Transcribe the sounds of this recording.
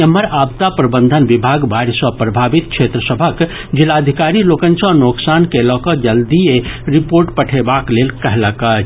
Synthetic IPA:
əmːəɾab̚t̪apɾəbənd̪ʱənʋibʱaɡbaɾsəpɾəbʱabit̪̚kʰʃʰet̪ɾəsəbʱək | d͡ʒilad̪ʱikaɾilokənsə̃noksankelɔkəd͡ʒəld̪ieɾipoɾʈpəʈʰebaklelkəɦləkə

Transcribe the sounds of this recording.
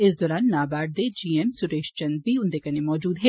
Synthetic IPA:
ɪs̬d̪ɔːɾaːnːaːbaːɖ̚d̪ed͡ʒiːɛmsʊɾeːʃt͡ʃɐ̃nd̪̚bʱiʊ̃nd̪ekɐnemɔːd͡ʒuːd̪ɦɛː

